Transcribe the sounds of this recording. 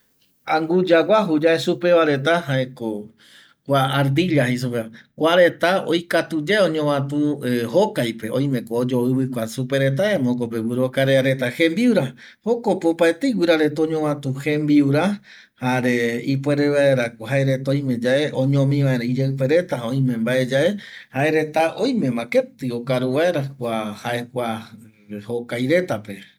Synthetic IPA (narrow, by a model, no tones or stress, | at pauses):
ãŋɡud͡ʒawʷaɦud͡ʒaesupe̞ʋaɾe̞t̪aɦaeko | kʷaːɾd̪iʎahis̬upeakʷaɾe̞t̪ao̰jkat̪ud͡ʒeeõɲõmãt̪uhokajpe̞õ̰j̃mẽkoːd͡ʒoɨβɨkʷasupe̞ɾe̞t̪̬aemõkop̬ewiɾokaɾeaɾe̞t̪ahẽmbiuɾa | hokopeopaet̪eiwiɾaɾet̪oɲõwãt̪uhẽmbiuɾa | haɾeipweɾeβaeɾakoɦaeɾet̪aõj̃mẽ̞d͡ʒaeʔõɲõmĩʋãeɾãid͡ʒaɨpeɾe̞t̪aõj̃mẽmbaʔed͡ʒaʔe̞haeɾe̞t̪aʔõjmẽ̞mãket̪ɨokaɾuʋae̞ɾakʷahaʔekʷa | hokajɾe̞t̪ape̞